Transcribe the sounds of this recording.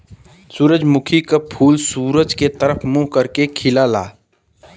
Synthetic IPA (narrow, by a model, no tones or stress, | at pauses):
suːɾəd͡ʒmʊkʰikapʰuːlsuːɾəd͡ʒket̪əɾəfʰmuɦkəɾkekʰɪlaːla̰ː